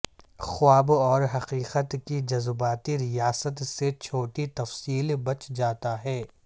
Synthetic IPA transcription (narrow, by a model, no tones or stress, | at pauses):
xʊaːbɔːɾɦɐqiːqət̪kid͡ʒɐzbaːt̪iɾijaːsət̪set͡ʃʰoːʈit̪ɐfsiːlbɐt͡ʃʰd͡ʒaːt̪aɦɛː